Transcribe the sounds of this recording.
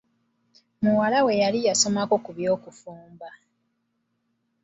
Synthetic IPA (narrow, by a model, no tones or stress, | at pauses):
muwalawe̞jalijaso̞mako̞kuβjo̞ːkufuːmba